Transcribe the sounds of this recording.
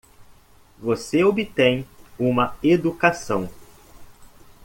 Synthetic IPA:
voseobɪt̪ẽj̃ũmɐed̪ukasɐ̃w̃

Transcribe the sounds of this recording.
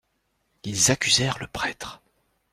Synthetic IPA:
ilzakʲyzɛʁləpχɛt̪χ

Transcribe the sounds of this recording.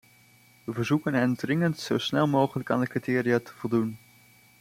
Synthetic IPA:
ʋəvəɹzukənɦɛndrɪŋəntsowsnɛlˠmowχələkaːndəkritɪːriatə̥vɔlˠdun

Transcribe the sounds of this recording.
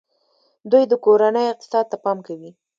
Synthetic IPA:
d̪ujd̪əkoɾanəjoɪq̚t̪ɪ̥sɑd̪̚t̪apɑmkawi

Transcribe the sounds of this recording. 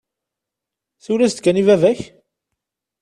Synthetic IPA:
θulæst̪kːænivævæç

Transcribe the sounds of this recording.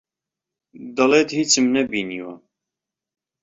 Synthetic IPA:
d̪ɐlet̪hiːt͡sɨmnɛbiniwɑ̰

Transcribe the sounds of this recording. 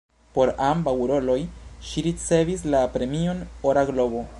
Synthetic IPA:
po̞ɾambawɾo̞lo̞jʃiɾit͡se̞vis̬lapɾe̞mio̞noɾaɡlo̞bo̞

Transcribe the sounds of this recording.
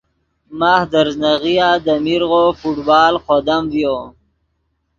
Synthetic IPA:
maːhd̪əɾznaɣijaːd̪əmiɾɣofuʈbaːlqod̪amvjoː

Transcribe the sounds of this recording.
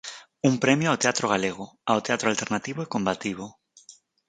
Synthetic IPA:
umpɾemjoawt̪eat̪ɾoɣ̞aleɣ̞oawt̪eat̪ɾoalt̪eɾnat̪iβoekombat̪iβ̞o

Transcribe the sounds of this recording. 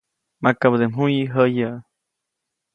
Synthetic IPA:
makabəd̪emɦujiɦəjaʔ

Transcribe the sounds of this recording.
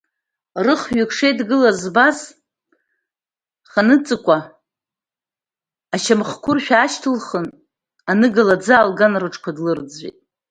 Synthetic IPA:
rɨχɥʏkʰʂejdɡɨlazbaz | χanɨt͡sʼɨkʷʼa | ʃamχkʷʰʊrʃᶣaːʃtʰɨlχən | anɨɡalad͡zaːlɡanrɨʈ͡ʂʰʼkʷadlɨrd͡zḭtʼ

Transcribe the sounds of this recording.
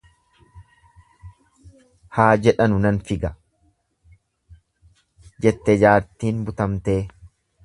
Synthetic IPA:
haːd͡ʒɛᶑɐnʊnɐnfɪɡɐ | d͡ʒɛt̪ːɛd͡ʒaːɾt̪iːnbʊt̪ɐmt̪e̞ː

